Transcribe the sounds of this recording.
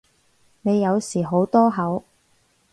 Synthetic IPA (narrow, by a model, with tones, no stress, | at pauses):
ne˨˧jːɐ˨˧wsiː˨˩ɦo˨˥wt̪ɔː˥ɦɐ˨˥w